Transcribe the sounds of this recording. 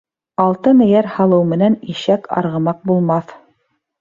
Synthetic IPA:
ɑlˠt̪ɤmɘ̆jæɾhɑlˠɤwmɘ̆næniʃækɑ̰ɾʁɤ̆mɑq̚bulˠmɑθ

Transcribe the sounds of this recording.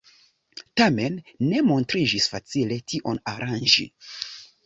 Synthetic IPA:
tame̞nːe̞mo̞ntɾid͡ʒisfat͡sile̞tʰiʔo̞naɾʔand͡ʒḭ

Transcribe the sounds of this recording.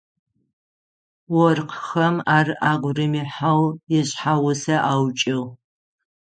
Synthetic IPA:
wɔrqxɐmaːrʔaːɡʷrɨmiħawjɛɕħawʊsɐʔaːwt͡ʃʼɪʁ

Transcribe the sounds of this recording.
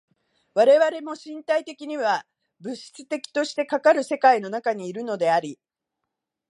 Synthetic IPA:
βaɾe̞βaɾe̞mo̞ɕĩnt̪ait̪e̞kʲiɲ̟iβa | bɯ̟ɕi̥t͡sɨ̥t̪e̞kʲi̥t̪o̞ɕi̥t̪e̞kakaɾɯ̟se̞kaino̞nakaɲ̟iːɾɯ̟no̞d̪e̞aɾʲi

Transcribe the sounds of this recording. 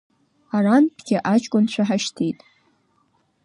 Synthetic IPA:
aranpʰɡʲɪʔat͡ʃʰʼkʷʼʊnt͡ɕʷʰaħaʃtʰijtʼ

